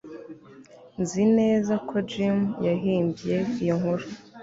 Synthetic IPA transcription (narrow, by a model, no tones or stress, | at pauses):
nzine̞ːzakʰo̞d͡ʒimjaɦiːmbje̞ijoŋhuɾu